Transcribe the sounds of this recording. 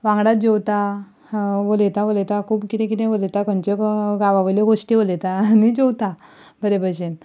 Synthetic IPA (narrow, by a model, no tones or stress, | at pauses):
ʋãŋɡɽat̪̚d͡ʑewt̪a | ʋolet̪aʋolet̪akʰuːbkit̪ɛ̃k̬it̪ɛ̃ʋolet̪akənt͡ɕeɡaʋaʋəjleɡoʂʈiʋolet̪anid͡ʑowt̪a | bʱəɾebʱəɕen